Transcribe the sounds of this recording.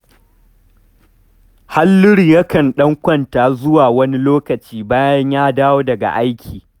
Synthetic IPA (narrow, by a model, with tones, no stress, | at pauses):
ha˦lːʊ˦ɽi˨jɐ˦kɐ˨nɗɐ˦ŋkʷɐ˦ntaː˨zʊ˦waː˨wɐ˦ni˦loː˦kɐ˨t͡ʃiː˦baː˦jɐ˦ɲjaː˦daː˦woː˦dɐ˨ɡa̰˨ʔa˦jkʲʰiː˨